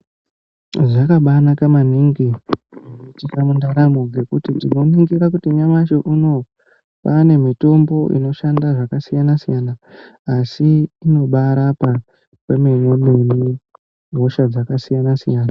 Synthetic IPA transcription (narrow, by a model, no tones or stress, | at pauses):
ʐakaɓanakamaniŋɡiʐinoitikamundaɾamuɡe̞kutitino̞niŋɡiɾakutiɲamaʃoʔuno̞ | pane̞mito̞mbo̞ʔḭno̞ʃandaʐakasijanasijanaː | siːno̞ɓaɾapa | pemimoneni | ɦo̞ʃad͡zakasijanasijaːna